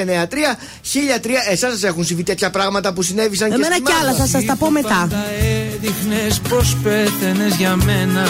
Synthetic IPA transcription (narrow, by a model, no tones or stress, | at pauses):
eneɐt̪ɾiɐ | çiʎɐt̪ɾiɐe̞sɐsɐse̞xunsivit̪e̞t̪çɐpɾɐɣmɐt̪ɐpusine̞visɐɲceemesnɐimeɐlɐsɐsɐsɐpo̞me̞t̪ɐeðixnespospeθenezʝɐmenɐ